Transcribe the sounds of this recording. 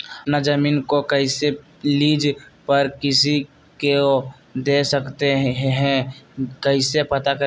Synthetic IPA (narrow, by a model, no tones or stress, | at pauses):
nad͡ʒəmiːnkokəɪse | liːd͡ʒpəɾkɪsi | ke | d̪eːsəkt̪eɦɦɦɛ̃kəɪsepɐt̪akə